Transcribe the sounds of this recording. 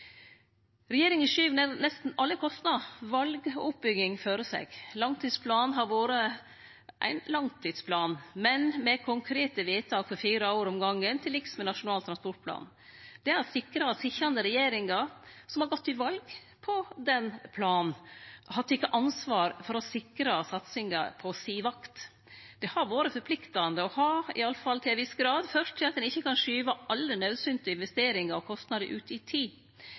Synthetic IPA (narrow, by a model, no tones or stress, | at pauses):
ɾɛjeːɾɪŋɪʃyːʋənæɾnɛst̪n̩ɑlːəkʰɔst̪nɑʋɑlɡʊp̚bʏɡɪŋføːɾəsɛ̰ɡ̥lɑŋt̪ʰiːd̪spʰlɑːnɦɑɾʋoːɾə | ʔæ̰ɪnlɑŋt̪ʰiːd̪spʰlɑːnmɛnmɛkʰʊŋkʰɾeːt̪əʋiːt̪ʰɑːkfɔɾfiːɾɑoːɾɔmɡɑŋːənt̪ʰɪlɪksmɛnɑʂʊnɑːlt̪ʰɾɑspɔʈ̚pʰlɑ̰ːn | d̪̥ɛæɾsɪkɾɑɑt̪sɪçɾɑnd̪əɾɛjeːɾɪŋɑɾsɔmhɑɾɡɔt̪ːɪʋɑlɡ | pʰɔd̪ɛnpʰlɑːn̩ʔhɑt̪ːɪkːəʔɑnsʋɑːɾfɔɾɔsɪkɾɑsɑt̪sɪŋɑpʰɔsiːʋɑkt̪ | d̪̥ɛhɑɾʋoːɾəfɔɾpʰlɪkt̪ɑnd̪əɔhɑːɪ̰ɑlːəfɑlt̪ʰɪlɛʋɪsɡɾɑːd̪fœʂtt̪ʰːɪlɑt̪d̪ɛnɪçːəkɑnʂyːʋɑʔɑlːənœʉsʏnt̪əɪnʋɛst̪eːɾɪŋɑɾɔkʰɔst̪nɑd̪əʔʉːt̪ɪt̪ʰiː